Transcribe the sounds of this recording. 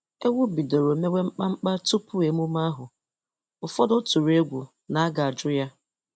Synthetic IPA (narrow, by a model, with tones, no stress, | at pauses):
e˦wʊ˦bi˨do˨ɾo˨me˦we˦ŋ͡m̩˦k͡pa˦ŋ͡m̩˦k͡pa˦tu˦pʊ˦e˨mu˦ma˦ɦʊ˨ | ʊ˨fɔ˦dɔ˦tu˨ɾe˦ɡʷu˨ | na˨a˦ɡa˨a˨d͡ʒʊ˦ja˦